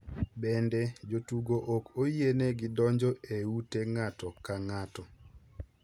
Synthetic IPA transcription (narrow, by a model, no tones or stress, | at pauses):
bɛndɛd͡ʒotuɡoʔokojeneɡɪdɔɲd͡ʒɔeuteŋatɔkaŋatɔ